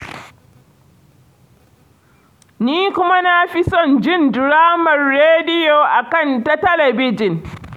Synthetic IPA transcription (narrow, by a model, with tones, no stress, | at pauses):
niː˦kʷʊ˦ma˦na˦ɸi˦sɔ˦˨nd͡ʒɪ˦˨ndɾaː˦mɐ˨rːeː˦dɪ˦jo˨ʔa˨kɐ˦˨ntɐ˦tɐ˦lɐ˨bɪ˦d͡ʒɪ˨n